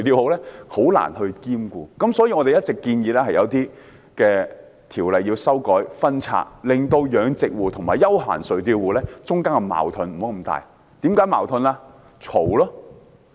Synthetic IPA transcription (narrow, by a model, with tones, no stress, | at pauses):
ɵ˨ɥt̪iː˧who˨˥wlɛː˥ho˨˥wla̰ː˨˩nhɵ˧ɥkiː˥mkuː˧kɐ˨˥msɔː˨˥jiː˧ŋɔː˨˧t̪e˨jɐ˥t̚t͡sɪ˨kːiː˧njiː˨˧lɛ˥hɐ˨jɐ˨˧wt̪iː˥ | kɛː˧ | t̪ʰiː˨˩wlɐ˨jːiː˧wsɐ˥wkɔː˨˥jfɐ˥nt͡sʰa̰ː˧t̚lɪ˨ŋt̪o˧wjœː˨˧ŋt͡sɪ˨k̚wuː˨t̪ʰʊ˨˩ŋmaː˨˩jɐ˥wɦa̰ː˨˩nsɵ˨˩ɥt̪iː˧wuː˨˩lɛː˥t͡sʊ˥ŋkaː˥ŋkɛ˧ma̰ː˨˩wt̪ʰʊ˨˧nm̩˨˩o˨˥wkɐ˧mt̪a̰ː˨j | t̪i˨˥mkaː˨˥jmaː˨˩wt̪ʰɵ˧nlaː˧ | t͡sʰo˨˩wlɔː˥